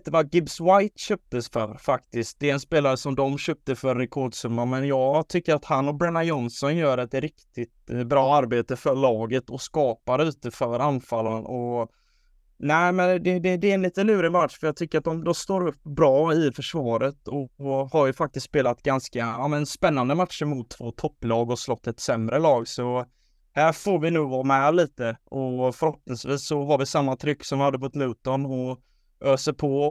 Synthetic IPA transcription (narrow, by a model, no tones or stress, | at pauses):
t̪əvaɡɪbswajt̪ɕøːp̚t̪əsfœɾfakt̪ɪskt̪̚d̪ɛɛnspeːlaɾəsɔmd̪ɔmɕøːp̚t̪əfœɾnɛkʰɔɖsɵmːamɛnjɑːɡt̪ʰʏkːəɾat̪hanːɔbɾɛnːajɔnsɔnjœːɾɛt̪ɾɪkt̪ɪt̪bɾɑːaɾbeːt̪əfœɭɑːɡət̪ɔskɑːpaɾʉ̟ːt̪əfœɾanfalːənɔ | næɪmɛnd̪ɛd̪ɛd̪ɛnliːt̪əlʉ̟ːɾənvaʈʂfœɾjɑːɡ̚t̪ʰʏkːəɾat̪̚d̪ɔmd̪ɔmst̪oːɾɵpːbɾɑːɪfœʂvɑːɾət̪ɔhaɾjɵfak̚t̪ɪst̪speːlat̪ɡanskaaːmənnspɛnːand̪əmat̪ʂəmʊt̪ʰːv̥oːt̪ʰɔpːlɑːɡɔslɔt̪ːɛt̪sɛmɾəlɑːɡsɔ | hæːɾfoːɾvɪnʉ̟ːɡvɑːmɛliːt̪əʔɔfœɾhɔpnɪŋsviːsːɔvaɖɛsamːat̪ʰɾʏkːsɔmvɪhad̪ːəbɔt̪lʉ̟ːt̪ɔnɔ | øːsəpʰɔ